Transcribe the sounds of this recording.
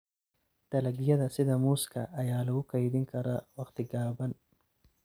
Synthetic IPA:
d̪̥ɐlɐɡijɐd̪ɐsɪd̪ɐmuskɐʔːjaːlɐukɐjd̪iŋkʰɐɾawɐqt̪iɡaːbɐn

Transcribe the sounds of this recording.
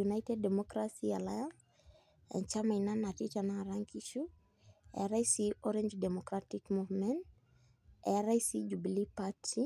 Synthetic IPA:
unajtɛddɛmɔkɾasialajans | ɛ̰̃nt͡ʃamainanatit͡ʃanaaɾaŋkiʃu | ɛ̰aɾajsiɔɾɛɲd͡ʒdɛmɔkɾatikmuvmɛ̃n | ɛ̰ɾajsid͡ʒubilipatʰi

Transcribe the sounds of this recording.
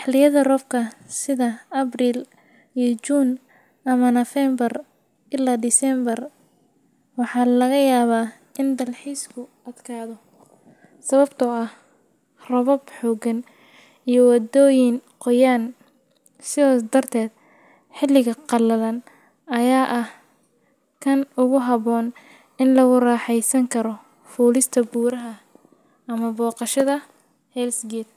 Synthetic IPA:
ħlɪjɐðɐrɔːfkʰɐsɪðɐɐbriːl | ijɔt͡ʃuːn | ʔɐmɐnɐfɛmbɐr | ʔɪlaːd̪ɪsɛmbɐr | wɑħɑːlɐɣɐjaːβaː | ʔɪnd̪ɐlħiːskʰʊʔɐd̪kʰaːðɔ | sɐβɐbt̪ʰɔɐh | rɐβɔbħɔːɡɐn | ijɞwɑd̪ɔːjɪŋqɔjaːn | sɪðɔːd̪ɐrt̪ʰɛːd̪̚ | ħɪlɪɣɐqɑlɐðɐn | ʔɐjaːʔɐh | kʰɐnʊɣʊɦɑβɔːn | ɪnlɐɣʊrɑːħɛjsɐŋkʰɐɾɔ | fuːlɪst̪ʰɐbuːɾɐɦɐ | ɐmɐbɔːqɑʃɐðɐ | hɛlsɡɛːd̪̚

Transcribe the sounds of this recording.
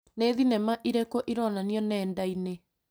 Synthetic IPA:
neðinɛmaʔiɾekoʔiɾɔnaniɔnɛːndaine

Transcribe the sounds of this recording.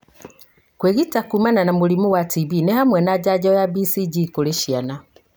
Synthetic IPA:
kweɣitakumananamulimuwatiβinehamwɛnad͡ʒad͡ʒajabisid͡ʒikoleʃiana

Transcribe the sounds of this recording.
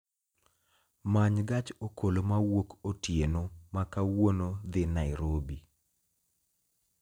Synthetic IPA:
maɲɡat͡ʃokolomawokotjenomakawonod̪ɪnaɪɾobi

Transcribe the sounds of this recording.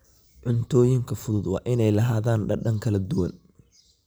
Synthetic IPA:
ʕʊnt̪ʰɔːjɪŋkʰɐfʊðʊd̪wɑ̰ːʔɪnɛjlɐɦaːðaːnɖɐɖɐŋkʰɐlɐd̪ʊwɐn

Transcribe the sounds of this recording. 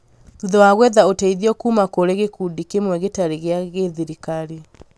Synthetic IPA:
ðuðɔwaɣwɛðaotɛiðiɔkuːmakoɾeɣekudikemwɛɣetaɾeɣeaɣeðiɾikaɾe

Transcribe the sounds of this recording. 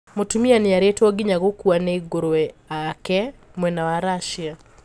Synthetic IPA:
motumianiaɾɛtɔɡiɲaɣokuanɛiɡoɾoɛakɛmwɛnawaɾaʃia

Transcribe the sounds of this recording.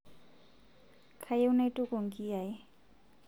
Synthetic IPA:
kʰajewnajtʼukoŋkiaj

